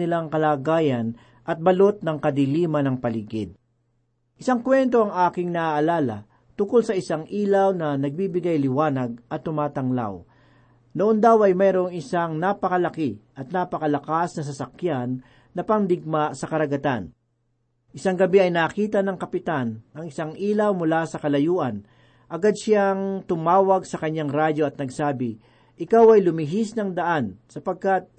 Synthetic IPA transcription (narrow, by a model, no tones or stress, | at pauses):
ɪlaŋkɐlaːɡaːjɐn | ʔɐt̪̚bɐlo̞t̪̚nɐŋkɐd̪ɪliːmɐnɐŋpɐliɡɪd̪̚ | ʔɪsaŋkwɛnt̪o̞ɐŋʔaːkɪŋnɐʔaʔːlaːlɐ̰ | t̪ʊŋkolsɐʔɪsaŋʔiːlawnɐnɐɡ̚biːbɪɡajlɪwaːnɐɡ̚ʔɐt̪ːʊmaːt̪ɐŋla̰w | noʔond̪awɐjmɛːɾoŋɪsaŋnapɐkɐlɐkɪʔɐt̪̚naːpɐkɐlɐkasnɐs̬ɐsɐkjanː | ɐpɐŋd̪ɪɡ̚masɐkɐɾɐɡɐt̪a̰n | ʔɪsaŋɡɐbiɐjnɐːkiːt̪ɐnɐŋkɐpɪt̪anʔɐŋɪsaŋʔiːlɐwmʊlasɐkɐlɐjuːʔɐn | ʔɐɡad̪̚ʃaŋt̪ʊmaːwɐɡsɐkɐɲːaŋɾad͡ʒo̞ɐt̪̚nɐɡsaːbɪ | ʔɪkawɐjlʊmɪɦisnɐŋd̪ɐʔansɐpɐɡ̚kat̪̚